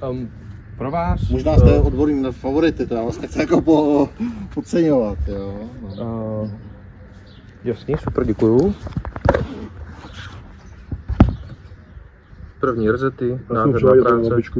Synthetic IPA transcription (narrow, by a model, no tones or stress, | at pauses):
pɾovaːsmoʒnaːst̪ɛʔod̪boɾɲiːɛfavoɾɪt̪ɪt̪ɛɾavasnɛxt͡sɪjakopopot͡sɛɲovat̪joːno | jasɲisupɾɟɛkuju | pr̩vɲiːɾɛzɛt̪ɪnaːɛaɾaːt͡sɛɪt͡ʃku